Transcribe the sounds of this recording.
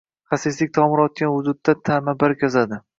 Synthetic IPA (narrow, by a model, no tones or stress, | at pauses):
χasɪslɪk̚ʲt̪ʰɒmɪɾɒt̪̚kʲanhʊd̪ʊd̪ːat̪ʰamabaɾkʲʰɒzad̪ɪ